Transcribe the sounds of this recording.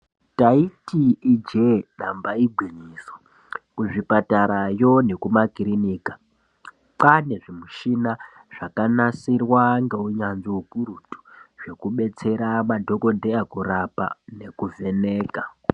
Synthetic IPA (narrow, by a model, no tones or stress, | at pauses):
taitiːd͡ʒenambaiɡʱwiɲiːso | kuʐipataɾajo̞ne̞kumakiriniːka | pane̞ʐimuʃina | ʐ̥akanasirwaŋɡe̞uɲanziukuɾutu̥ʐ̥e̞kuɓe̞t͡se̞ɾamadʱo̞ko̞dʱeakuɾapa̰ne̞kuve̞ne̞ːka